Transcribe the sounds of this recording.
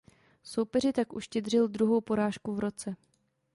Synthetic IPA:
so̞wpɛr̝ɪt̪akʔuʃcɛd̪r̝ɪld̪ɾuɦo̞wpo̞ɾaːʃkuvɾo̞t͡sɛ

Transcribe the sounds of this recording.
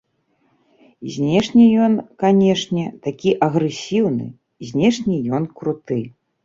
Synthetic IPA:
zʲnʲɛʂnʲijɔnkanʲɛʂnʲɛt̪akʲiʔɐɣɾɛsʲiwnɨ̰ | zʲnʲɛʂnʲijɔnkɾut̪ɨ

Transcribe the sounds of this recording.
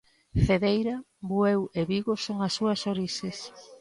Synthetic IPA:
θeðejɾa | bweweβiɣosoŋɐsːuɐsoɾises

